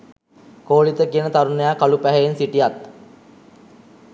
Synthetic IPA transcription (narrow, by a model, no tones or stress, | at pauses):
koːlit̪əkiənət̪aɾunəjaːkalupæɦejensiʈijat̪